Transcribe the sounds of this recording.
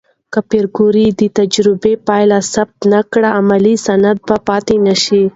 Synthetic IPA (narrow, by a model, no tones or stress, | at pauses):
kapeɾɡuɾid̪ət̪ad͡ʒɾɪbepɑjlasab̚t̪nakɽaːmalisanad̪̚bapɑt̪enaʃi